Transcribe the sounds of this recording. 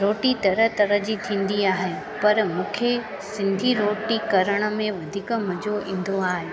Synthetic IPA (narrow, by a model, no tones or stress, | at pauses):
ɾoːʈit̪ɐɾət̪ɐɾəɦd͡ʑiːt̪ʰĩːnd̪iaːɦe | pɐɾmũːkʰe | sɪ̃nd̪ʱiɾoːʈikɐɾəɽ̃ə̆mẽʋɐd̪ʱiːkmɐd͡ʑoĩːn̆d̪oaːɦeː